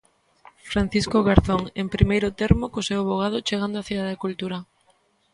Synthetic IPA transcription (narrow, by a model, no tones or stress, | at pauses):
fɾan̟θiskoɣaɾθoŋempɾimejɾʊt̪eɾmokosewaβoɣ̞að̞ʊt͡ʃeɣand̪oaθiaðakult̪uɾa